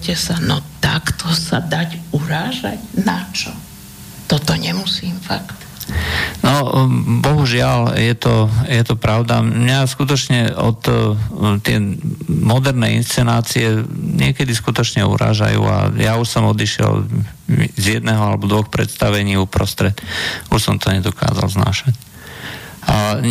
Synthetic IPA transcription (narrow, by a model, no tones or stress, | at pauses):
ɛsanɔt̪akt̪ʰɔsad̪acuɾaːʒa̰ɟnat͡ʃɔ | t̪ɔt̪ɔɲɛmusiːmfakt̪ | nɔbɔɦuʒɪaljɛt̪ɔjɛt̪ɔpɾaʊd̪amɲaskut̪̬ɔt͡ʃɲɛɔt̪ | t̪ɪɛ̰mɔd̪ɛɾnɛinst͡sɛnaːt͡siɛɲɪɛkɛd̪iskut̪ɔt͡ʃɲɛṵɾa̰ːʒa̰jṵːa̰jauʃsɔmɔd̪iʃɪɛ̰l | zjɛd̪nɛɦɔalɛbɔd̪ʋɔxpɾɛ̰t̪st̪aʋɛɲiːupɾɔst̪ɾɛt̪uʃsɔmt̪ɔɲɛd̪ɔka̰ːza̰lzna̰ːʃac | a